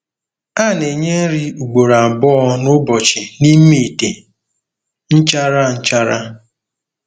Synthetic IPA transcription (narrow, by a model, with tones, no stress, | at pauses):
a˦˨ne˨ɲe˦ɾi˦u˨ɡ͡bo˨ɾa˨bɔ˦nʊ˦bɔ˨t͡ʃɪ˨ni˦me˨te˨ | n̩˦t͡ʃa˦ɾa˦n̩˦t͡ʃa˦ɾa˦